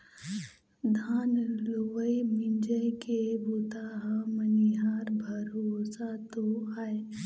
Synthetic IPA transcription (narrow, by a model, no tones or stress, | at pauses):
d̪ʱaːnloʋəjmɪnd͡ʒəjkebut̪aɦaməniɦaːɾbʱəɾoːsat̪oaːe